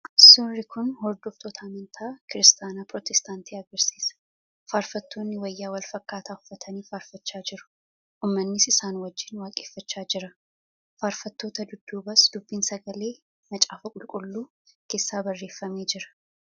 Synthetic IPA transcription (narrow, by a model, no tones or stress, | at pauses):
ʔɐsːoːrːɪkʊnhɔɾd̪oːft̪oːt̪ʰɐːmɐnt̪ʰaːkɪɾɪst̪ʰaːnaːpɾɔt̪ɛst̪aːnt̪iːɐɡɐɾsiːsɐ̥ | faːɾfɐt̪ːoːnːɪwɐjːaːwɐlfɐkːaːt̪ʰaːhʊ̥fːɐt̪ʰɐniːfaːɾfɐt͡ʃːaːd͡ʒɪɾʊ̥ | ʔʊːmːɐnːɪsɪsaːnwɐd͡ʒːɪnwaːkʼeːfːɐt͡ʃːaːd͡ʒɪɾɐ | faːɾfɐt̪ːo̞ːt̪ɐd̪ʊd̪ːuːbɐsd̪̥ʊbːiːnsɐɡɐle̞ː | mɐt͡ʃʼaːfɐkʼʊlkʼʊlːuː | ke̞ːsːaːbɐrːe̞ːfːɐme̞ːd͡ʒɪɾɐ̥